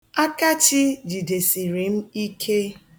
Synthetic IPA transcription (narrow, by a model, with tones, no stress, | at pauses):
a˦ka˦t͡ʃi˦d͡ʒi˨de˨si˨ɾi˨m̩˦i˦kʰe˦